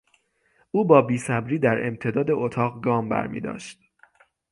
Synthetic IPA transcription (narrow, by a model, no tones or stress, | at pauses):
ʔuːbɒːbiːsæbɾiːd̪æɾe̞̰mt̪ʰe̞d̪ɒːd̪eʔot̪ʰɒːʁɡɒːmbæ̰ɾmḭːd̪ɒ̰ːʃt̪̚